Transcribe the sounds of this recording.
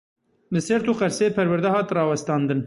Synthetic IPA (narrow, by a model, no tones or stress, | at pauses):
lɨsɛɾt̪ʰuːqɛɾseepʰɛɾwæɾd̪ɛhɑːt̪rɑːwɛst̪ɑːnd̪ɨn